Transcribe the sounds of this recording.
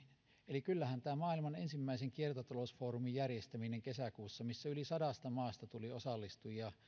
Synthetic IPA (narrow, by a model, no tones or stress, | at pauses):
elikylːæhænt̪æːmɑːilmɑnensimːæiseŋkiert̪ot̪ɑlosfoːrumijjærjest̪æmineŋkesækuːsːɑmisːæylisɑdɑst̪ɑmɑːst̪ɑt̪uliosɑlːist̪ujjɑ